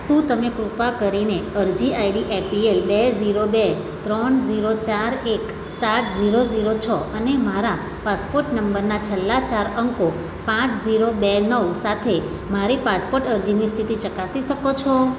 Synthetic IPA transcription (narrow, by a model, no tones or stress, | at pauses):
ʃũt̪əmekɾupakəɾineəɾd͡ʒiaiɖiʔepʰielbeziɾobe | t̪ɾɔɳziɾot͡ʃaɾek | sat̪ziɾoziɾot͡ʃʰɔʔənemaɾa | paspoɾʈnəmbəɾnat͡ʃʰəlːat͡ʃaɾəŋko | pãt͡ʃziɾobenəʋsat̪ʰe | maɾipaspoɾʈəɾd͡ʒinist̪ʰit̪it͡ʃəkasiʃəkot͡ʃʰɔ